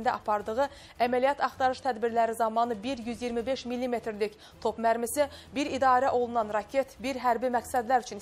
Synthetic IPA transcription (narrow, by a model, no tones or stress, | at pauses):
nd̪ɛʔɑpʰɑɾd̪ɯʁɯ | æmælijɑt̪ʰɑχt̪ɑɾɯʃt̪ʰæd̪biɾlæɾizɑmɑnɯbiɾjyzjiɾmibeʃmilːimet̪ɾlikʲ | t̪ʰopmæɾmisibiɾid̪ɑːɾæʔolˠunɑnɾɑkʲʰet̪biɾɦæɾbimæksæd̪læɾyt͡ʃʰyn